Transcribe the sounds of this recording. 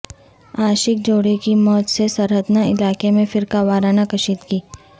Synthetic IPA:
aːʃɪk̚d͡ʒoːɽikimɔːt̪sesɐɾɦət̪naɪlaːkemẽfɪɾkaʋaːɾaːnakɐʃiːt̪kiː

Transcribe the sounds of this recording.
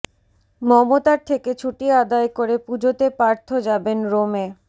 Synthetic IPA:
mɔmot̪aɾt̪ʰeket͡ɕʰuʈiad̪aekoɾepud͡ʑot̪epaɾt̪ʰod͡ʑabenɾome

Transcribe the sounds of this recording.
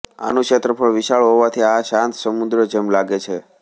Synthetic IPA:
a̰nũkʃet̪ɾəpəɭʋiʃaɭoɦoʋat̪ʰiaʃãnt̪səmud̪ɾəd͡ʒəmlaɡet͡ʃʰe

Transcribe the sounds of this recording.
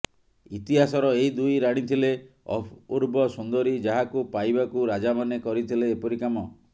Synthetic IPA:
it̪iɦasɔɾɔeɦid̪ujɾaɽ̃it̪ʰile | ɔ̰pʰuɾbɔsund̪ɔɾid͡ʒaɦakupajbakuɾad͡ʒamanekɔɾit̪ʰileːpɔɾikamɔ

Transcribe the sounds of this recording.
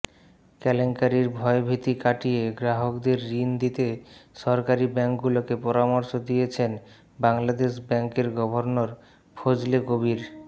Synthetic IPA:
kɛleŋkaɾiɾbʱɔebʱit̪ikaʈijeɡɾaɦokd̪eɾːind̪it̪eʃɔɾkaɾibɛŋkɡulokepɔɾamoɾʃod̪ijet͡ɕʰen | baŋlad̪eʃbɛŋkeɾɡɔbʱoɾnoɾ | pʰod͡ʑlekobiɾ

